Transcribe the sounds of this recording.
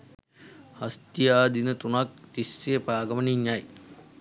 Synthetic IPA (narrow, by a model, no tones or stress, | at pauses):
hɐst̪ijaːd̪inət̪unak̚t̪isːejəpaːɡɐməniɲjaj